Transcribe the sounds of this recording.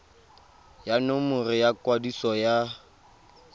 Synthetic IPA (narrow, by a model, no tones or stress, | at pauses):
janomʊrɪjakʼwadisɔja